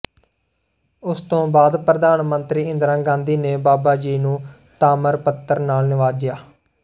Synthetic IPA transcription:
ʊst̪õːbaːd̪pɾəd̪aːnmənt̪ɾiːɪnd̪ɾãːɡãːnd̪iːneːbaːbaːd͡ʒiːnũː | t̪aːməɾpət̪ːəɾnaːlnɪʋaːd͡ʒɪjaː

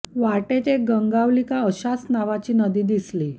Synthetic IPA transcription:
ʋaʈet̪eɡəŋɡaʋlikaəɕasnaʋat͡ɕiːnəd̪iːd̪isliː

